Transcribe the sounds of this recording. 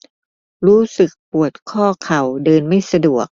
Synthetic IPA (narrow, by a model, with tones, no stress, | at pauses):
ɾuː˦˥sɯ˨˩k̚pu˨˩ət̪̚kʰɔː˥˩kʰa˨˩wdɤː˧nma˥˩jsa˧du˨˩ək̚